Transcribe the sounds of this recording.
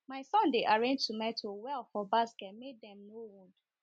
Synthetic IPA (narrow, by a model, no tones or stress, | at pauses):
maɪsɔ̃ndeʔaɹẽnd͡ʒtumɛtʰowɛlfɔbaskɛt̚meddɛ̃mnowũnd